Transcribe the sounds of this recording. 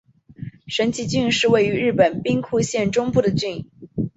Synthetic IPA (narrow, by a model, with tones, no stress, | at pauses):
ʂə˧˥nt͡ɕʰi˧˥t͡ɕy˥˧nʂɻ̩˥˧we˥˩ɪy˧˥ɻɻ̩˥˩pə˨˩npi˥ŋkʰu˥˧ɕjɛ˥˩nʈ͡ʂʊ˥ŋpu˥˩d̪ə˩t͡ɕy˥˧n˩